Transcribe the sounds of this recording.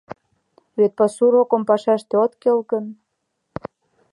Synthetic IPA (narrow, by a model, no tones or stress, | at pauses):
βet̪̚pɑsuɾokŏmpɑʃæʃt̪eot̪kelkə̆n